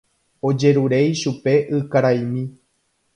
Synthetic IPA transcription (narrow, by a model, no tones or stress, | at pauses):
o̞d͡ʒe̞ɾuɾe̞jʃupe̞ʔɨkaɾajmĩ